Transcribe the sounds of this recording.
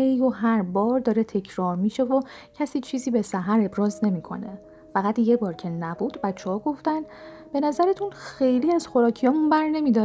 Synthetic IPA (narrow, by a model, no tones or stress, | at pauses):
ejoɦæɾbɒːɾd̪ɒːɾet̪ʰe̞cʰɾɒːɾmiːʃe̞vo | cʰæsiːt͡ʃʰiːziːbe̞sæɦæɾe̞bɾɒːzne̞miːkʰo̞̰ne̞ | fæɣæt̪jebɒːɾcʰe̞næbuːd̪bæt̪t͡ʃʰːehɒːɡo̞ft̪ænd̪b̥e̞næzæɾet̪ʰunxe̞jliːæz̥xo̞ɾɒːcʰijɒːmunbæɾne̞miːd̪ɒː